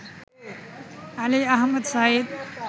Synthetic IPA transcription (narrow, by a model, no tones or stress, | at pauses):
aliaɦməd̪saːid̪